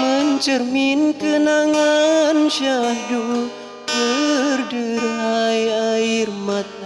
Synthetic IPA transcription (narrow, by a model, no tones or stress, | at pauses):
məɲt͡ʃərminkənaŋanʃadu | kərdəɾajairmat̪̚a